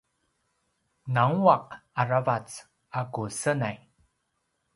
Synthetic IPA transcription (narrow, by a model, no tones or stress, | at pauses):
naŋuaqaɹavat͡s | akusənaj